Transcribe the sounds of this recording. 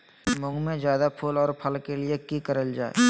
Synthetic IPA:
mʊ̃ŋɡmẽzjaːd̪apʰuːlɔːɾpʰɐlkeliekikəɾəld͡ʒaːḛ

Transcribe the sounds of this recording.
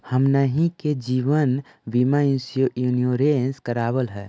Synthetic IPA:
həmnəɦĩked͡ʒiːʋən | ʋimaĩnsijoʔjunioɾenskəɾaːbəlɦɛː

